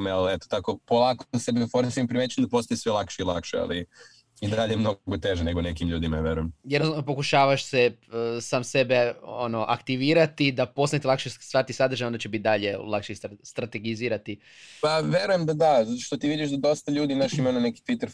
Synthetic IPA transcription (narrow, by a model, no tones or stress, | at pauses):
melet̪o̥t̪akopolˠaːksebmifoɾmisimpɾimet͡ɕuemd̪apo̞st̪ojesʋelˠakʃeilˠa̰kʃea̰li | id̪aʎejmno̞ɡot̪eʒeneɡonekimlʎuːd̪imaʋjeɾujemjed̪nosanop̬o̞kuʃaːʋaʃsesaːmsebe̞ono̞ʔa̰kt̪iʋiːɾat̪id̪apo̞sajt̪ilakʃest̪ʋaːɾit̪isad̪ɾrʒajond̪at͡ɕebit̪̚d̪aʎe̞lˠakʃesst̪ɾat̪e̞ɡiziːɾat̪i | paʋʲje̞ɾuje̞md̪ad̪azat̪oʃt̪ot̪iːʋid̪iʃd̪ad̪o̞st̪aʎuːd̪iimaʃimaunaneki̥t̪ʋit̪eɾ